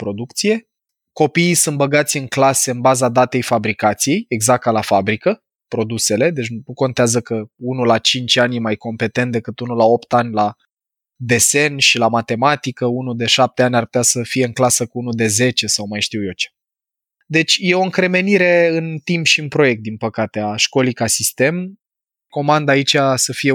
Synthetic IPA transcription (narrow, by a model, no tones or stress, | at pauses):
pɾo̞d̪ukt̪sije̞ | ko̞piːsɨnt̪bəɡat̪sʲɨŋklase̞ɨnbazad̪at̪e̞jfabɾikat̪sije̞jeɡzak̚t̪alafabɾikə | pɾo̞d̪use̞le̞d̪e̞t͡ʃʲnuko̞nt̪eazəkəunulat͡ʃint͡ʃʲanʲjemajko̞mpe̞t̪e̞nt̪̚d̪e̞kɨt̪unulao̞pt̪anʲla | d̪e̞se̞nʃilamat̪e̞mat̪ikəunud̪e̞ʃap̚t̪e̞anʲarput̪ʲasəfije̞ɨŋklasəkuunud̪e̞ze̞t͡ʃe̞sawmajʃt̪iwje̞t͡ʃe̥ | d̪e̞t͡ʃʲje̞o̞ɨŋkɾe̞me̞niɾe̞ɨnt̪impʃiɨnpɾo̞je̞k̚t̪̚d̪inpəkat̪e̞aʃko̞likasist̪e̞m | ko̞mand̪ait͡ʃʲasəfije